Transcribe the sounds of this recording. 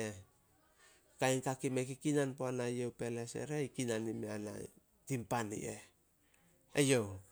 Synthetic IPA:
e | kajnkakimekikinanpoanajewpe̞lese̞̰ɾeikinanimeana̰ | timpanḭe | ḛjow

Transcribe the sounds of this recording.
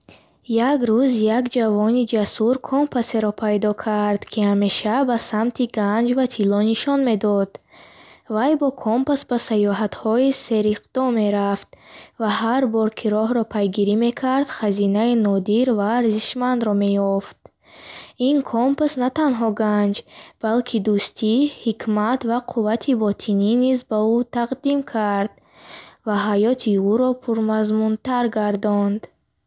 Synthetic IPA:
jaɡɾuzjaɡd͡ʒavɔnid͡ʒasuɾkʰɔmpʰaseɾɔpʰajd̪ɔkʰaɾd̪kʰihame̞ʃabasamt̪ʰiɡand͡ʒvat̪ʰilɔniʃɔnme̞d̪ɔd̪̥ | vajbɔkʰɔmpasbasajɔɦat̪hɔise̞ɾiqd̪̥ɔme̞ɾaft̪̚vaɦaɾbɔɾkʰiɾɔɦɾɔpʰajɡiɾime̞kʰaɾd̪̥χazinainɔd̪iɾvaːɾziʃmand̪ɾɔme̞jɔft̪̚ | inkʰɔmpsnat̪anɦɔɡand͡ʒb̥alkʰid̪ust̪ʰihikʰmat̪vaqʰuvat̪ʰibɔt̪ʰininizbaut̪ʰaqd̪imkʰaɾd̪̥ | vaɦajɔt̪ʰiuɾɔpʰuɾmazmunt̪aɾɡaɾd̪ɔnd̪

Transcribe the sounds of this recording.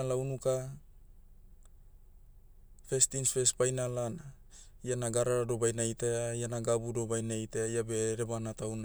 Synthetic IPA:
launuka | fest̪insfespajnalana | ianaɡaɾaɾadobajnait̪aaijanaɡabudobajnait̪aaijabeɾebanat̪auna

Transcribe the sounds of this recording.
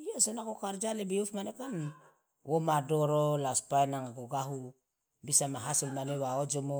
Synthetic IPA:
ijosonakokaɾd͡ʒalebiufmanekan | womadoɾolaspaenaŋaɡoɡaɦu | bisamaɦasolmanewaod͡ʒomo

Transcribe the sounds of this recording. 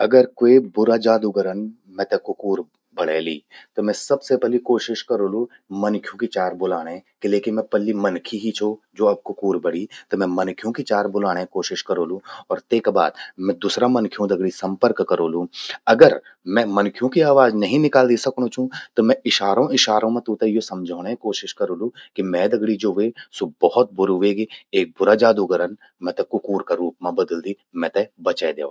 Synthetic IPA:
ɐɡəɾkoːibʊɾad͡ʒaːd̪uɡəɾən | mɛ̃t̪ekʊkuːɾ | bɐɽ̤ḛːlḭːt̪omɛ̃sɐbsepɛlikoːʃɪʃkɐɾoːlũ | mɐnkʰijõkit͡ʃaːɾbʊlaːɽ̃ẽkeleːkɪnmɛ̃pɐlːimɐnkʰiɦit͡ʃʰod͡ʒoːɐb̚kʊkuːɾbɐɽ̤it̪omɛ̃mɐ̃nkʰijõkit͡ʃaːɾbʊlaːɽ̃ẽkoːʃɪʃkɐɾoːlũɔːɾt̪eːkba̰ːd̪mɛ̃d̪uːsɾamɐnkʰjõd̪ɐɡɽisɐ̃mpəɾkːɐɾoːlũɐɡəɾ | mɛ̃mɐnkʰijõkiaːʋaːznɐɦĩnɪkaːld̪iːsɐkõt͡ʃʰũt̪omɛ̃ɪʃaːɾõɪʃaːɾõmẽt̪ũt̪ejosɐ̃md͡ʒʱaːɽ̃ekoːʃɪʃkɐɾoːlũkimɛ̃d̪ɐɡɽid͡ʒoːʋesobɔɦɔt̪̚bʊɾʋeːɡieːk̚bʊɾad͡ʒaːd̪uɡəɾən | mɛ̃t̪ɛkʊkuːɾkaɾuːpmãbɐd̪əld̪iː | mɛ̃t̪ɛbɐt͡ʃaed̪ḛː

